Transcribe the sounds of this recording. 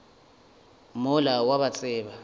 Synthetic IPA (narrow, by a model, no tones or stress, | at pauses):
mʊlawaɓat͡sʼɪːɓa